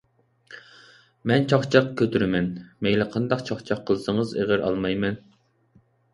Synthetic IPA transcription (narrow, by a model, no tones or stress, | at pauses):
mɛnt͡ʃʰɑχt͡ʃʰɑqkʲʰøt̪ʰyɾɪmɛnmejlɪqʰɑnd̪ɑqt͡ʃʰɑχt͡ʃʰɑqʰːəlˠɨsəŋəzḛʁɪɾɑ̰lˠmɑjmɛn